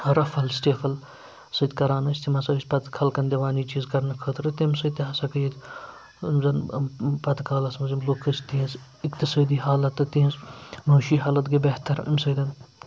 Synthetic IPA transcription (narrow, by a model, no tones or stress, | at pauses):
ɾɐfɐlsʈeːfʰɐl | sɨt̪ʲkɐɾaːnɐsʲt̪imɐsɐsʲpɐt̪kʰɐlkɐnd̪ʲeʋaːniːt͡ʃiːzkɐɾnɐkʰəːt̪ɾɨt̪ʲimsɐt̪iɦɐsɐkɐjit̪ʲ | mzɐnpɐt̪kʰaːlɐsmɐzimlokʰːəst̪iɐ̃s | ikt̪isɐːd̪iːɦaːlɐt̪ːɨt̪iĩsmɐːʃiːɦaːlɐt̪ɡibeht̪ɐɾḭmʲsəːd̪ɐn